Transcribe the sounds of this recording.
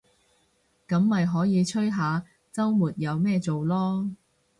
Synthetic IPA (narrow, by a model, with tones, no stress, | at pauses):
kɐ˨˥mːɐ˨jɦɔː˨˥jiː˨˧t͡ʃʰɵ˥ɥɦaː˨˧ | t͡sɐ˥wmuː˨˩t̚jɐ˨˧wmɛː˥˧t͡so˨wlɔː˥